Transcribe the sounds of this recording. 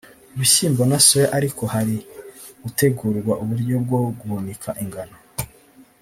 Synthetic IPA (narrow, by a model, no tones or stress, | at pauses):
uβiɕiːmbonasueʔaɾikʰo̞haɾiɡute̞ɡuːɾɡwaʔuβuɾɟo̞b̚ɡoɡuβonikʰaʔiŋɡano